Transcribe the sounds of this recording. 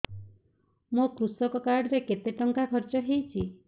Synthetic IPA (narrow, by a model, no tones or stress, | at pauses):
mokɾusɔkɔkaɾɽɔɾeket̪eʈɔŋkakʰɔɾt͡ʃɔɦejt͡ʃʰi